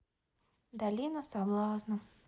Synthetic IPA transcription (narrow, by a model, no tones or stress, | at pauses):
d̪alʲinəsavlˠɑsnə